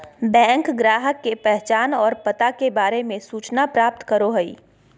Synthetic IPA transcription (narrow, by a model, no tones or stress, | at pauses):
bɛ̃ːŋkɡɾaːɦəkːepɛɦt͡ʃaːnɔːɾpət̪akebaːɾemẽsuːt͡ʃnapɾaːp̚t̪kəɾoɦəḭː